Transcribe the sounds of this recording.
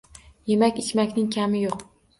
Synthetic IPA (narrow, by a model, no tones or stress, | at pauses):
je̞makʲɪt͡ʃmakʲnɪŋkʲʰamɪjoq